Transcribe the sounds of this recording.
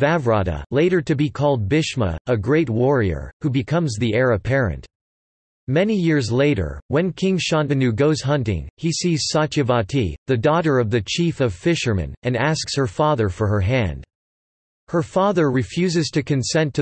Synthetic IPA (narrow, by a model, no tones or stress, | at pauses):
vævɹɑɾə̰leɪɾə˞ɾɨbikʰɔlˠd̚bɪʃmə̰əɡɹeɪt̚wɔɹiə̰˞hubɨkʰʌ̃mzðiɛɹɨpʰɛɹɨ̰̃nt | mɛnijɪɹzleɪɾə̰˞wɨ̃nkʰɪ̃ŋʃɑ̃nvɨnʉɡoʊz̥ɦʌ̃ntɪ̰̃ŋhisiz̥sɑt͡ʃɨvɑtʰiðɨdɔɾə˞ʌvðɨt͡ʃʰifʌv̥fɪʃə˞mɨ̰̃nɨ̃næskshə˞fɑðə˞fə˞ə˞ɦæ̃nd̥ | hə˞fɑðə˞ɹɨfjʉzɨz̥tʰɨkʰɨ̃nsɛ̃ntʰɨ